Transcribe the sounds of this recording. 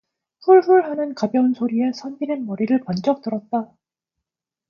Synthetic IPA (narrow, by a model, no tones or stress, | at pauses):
ɸuɭɸuɭhanɯnkabjʌnsʰoɾie̞sʰʌnbinenmʌɾiɾɯɭpand͡ʑʌk̚t͈ɯɾʌt̚t͈a